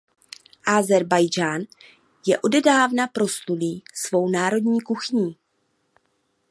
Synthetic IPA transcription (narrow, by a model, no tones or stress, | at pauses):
ʔazɛɾbajd͡ʒaːn | jɛʔo̞dɛdaːvnapɾo̞stuliːsvo̞wnaːɾo̞dɲiːkuxɲiː